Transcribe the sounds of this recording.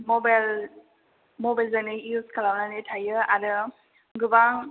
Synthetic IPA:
mɔbal | mɔbalzanɯuskʰalawnanɯtʰajɯaɾɯ | ɡɯbaŋ

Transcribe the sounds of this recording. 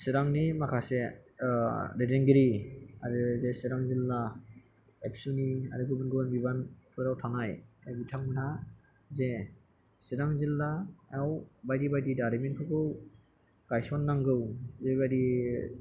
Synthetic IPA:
sɛɾaŋnimakʰasɛ | ɾɛdɛŋɡeɾiaɾɯzɛsɛɾaŋzilːa | ɛpsunia̰ɾɯɡubɯnɡɯbanbibanpʰɯɾawtʰanajabitʰaŋmanʰa | zɛ | siɾaŋzilːaawbajdibajdidaɾimɛnpʰɔɡɯw | kajsɔnːaŋɡɯwzɛbajdi

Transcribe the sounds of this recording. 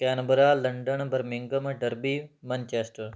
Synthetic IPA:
keːnbəɾaːlɐɳɖəɳbɐɾmɪŋɡəmɖɐɾbiːmɐnt͡ʃeːsʈəɾ

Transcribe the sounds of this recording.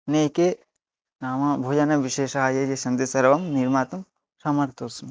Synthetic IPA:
nejke | naːmɐbʱoːd͡ʒɐnɐʋiʃeːʃɐɦajɐd͡ʒesɐnd̪isɐɾʋɐmniɾmaːt̪ɐm | sɐmɐɾt̪osun

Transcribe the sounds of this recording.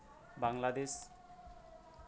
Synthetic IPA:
baŋlad̪es

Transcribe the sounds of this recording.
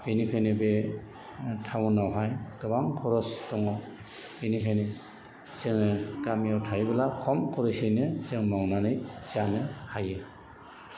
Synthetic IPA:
enikʰajnibe | tʰawnawɦajdɔbaŋkʰɔɾɔstɔŋɔ | enikʰajni | seŋkamiawtʰajbɛlakʰɔmkʰɔɾisejnɯzeŋmawnanɯjz̥anɯhaje

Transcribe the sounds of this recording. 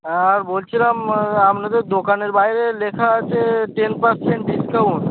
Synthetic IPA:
aɾbolt͡ʃʰilamamnet̪od̪okaneɾbaiɾelekʰat͡ʃeʈenpəɾseɳʈɖiskəun

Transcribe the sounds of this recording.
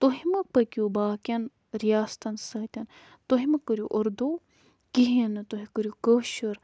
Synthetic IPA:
t̪oɦimɐpɐkʲjubaːkʲɐn | ɾijaːst̪ɐnsɐt̪ʲɐn | t̪oɦimɐkəɾʲjuʔɐɾd̪o | kiɦinɨt̪oɦikəɾʲjukəʃəɾ

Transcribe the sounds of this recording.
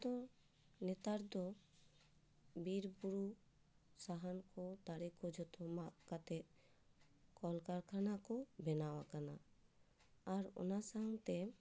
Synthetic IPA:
d̪ɔ | nɛt̪aɾd̪ɔ | biɾbuɾu | saɦankɔt̪aɾɛkɔd͡ʒɔt̪ɔmaʔkat̪ɛt̪̚ | kɔlkaɾkʰanakɔbɛnawakana | ɾɔ̰nasaɦaŋt̪ɛ

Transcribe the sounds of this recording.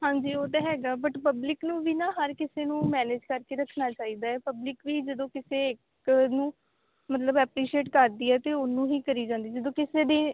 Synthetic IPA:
ɦãːɲd͡ʒiːoːt̪eɦɛːɡaːbəʈpəblɪknũːʋiːnãːɦəɾkɪseːnũːmɛːneːd͡ʒkəɾkeːɾəkʰːnaːt͡ʃaːiːd̪aːɛːpəblɪkʋiːd͡ʒəd̪õːkɪseːɪk | nũː | mət̪ləbɛːpɾiːʃieːʈkəɾd̪iːɛːt̪eːʊnːũːɦiːkəɾiːd͡ʒãːnd̪iːd͡ʒəd̪õːkɪseːd̪eː

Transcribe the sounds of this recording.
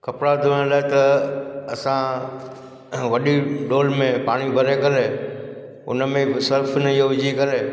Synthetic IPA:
kɐpɽad̪ɪʋ̃laːet̪ɐɐsã | ʋɐɗiɖoːlmẽpaːɽ̃ibʱəɾekɐɾe | ʊ̰nəmẽsɐɾfʰnəijoʋɪd͡ʒʱikɐɾeː

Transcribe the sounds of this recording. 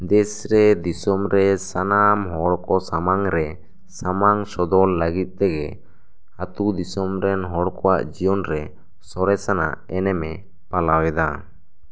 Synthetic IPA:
d̪ɛsɾɛd̪isɔmɾɛsanamɦɔɽkɔsamaŋɾɛ | samaŋsɔd̪ɔlːəɡit̪̚ˀt̪ɛɡɛ | hat̪ud̪isɔmɾɛnɦɔɽkɔwa̰ʔd͡ʒijɔnɾɛ | sɔɾɛsana̰ʔɛnɛmɛ | palawɛd̪a

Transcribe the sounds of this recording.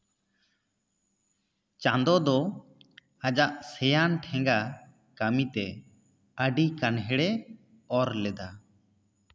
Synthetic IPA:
t͡ʃãnd̪ɔd̪ɔ | ad͡ʒaʔsɛjanʈʰɛ̃ŋɡa | kamit̪ɛ | əɖikanɦɛɽɛ | ɔɾlɛd̪a

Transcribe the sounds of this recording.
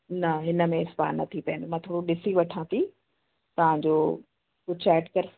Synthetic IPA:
nɐɦɪnə̆mẽɪspa̰ːnnːɐ̰t̪ʰipɐ̃ːnd̪omãt̪ʰoːɽuɗɪsiʋɐʈʰãt̪i | t̪ɐʋ̤ãɲd͡ʑoː | ot͡ɕɛːʈkɐɾ

